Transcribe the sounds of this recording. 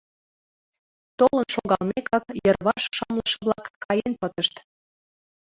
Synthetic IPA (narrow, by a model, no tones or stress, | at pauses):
t̪olənʃoɣɑlmekɑkjərβɑʃʃɑmlə̆ʃə̆βlɑkːɑjenpət̪əʃt̪